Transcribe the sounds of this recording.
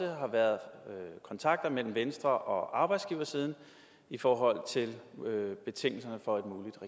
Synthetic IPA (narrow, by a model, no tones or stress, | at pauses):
əɦɑ̈ʋæɐðˠkʰɒ̽nt͡sʰɑ̈ɡ̥̚d̥ɐmel̰m̩ʋensd̥ʁɐʔɒ̽ʔɑ̈ːb̥ɑ̈ɪd̥sɡ̥iːʊɐsiːð̞ˠn̩ | ifɒːɦɒ̽l̰t͡sʰe̝lb̥e̝t͡sʰe̝ŋ̰l̩s̬ɐnəfɒ̽e̝d̥muːlid̥ʁɛ